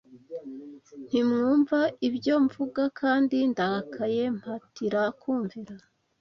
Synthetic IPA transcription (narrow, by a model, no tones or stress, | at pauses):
n̥imŋuːɱvaibjɟo̞ɱvuɡakʰaːndindaakʰaje̞m̥hatiɾakuːɱviɾa